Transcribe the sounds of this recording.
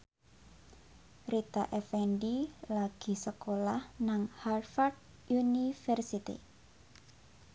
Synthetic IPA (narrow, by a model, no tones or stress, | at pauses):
rit̪a̰ʔɛfɛnɖilaɡ̥i̤səkolahnaŋharfard | unifɛrsit̪ḭ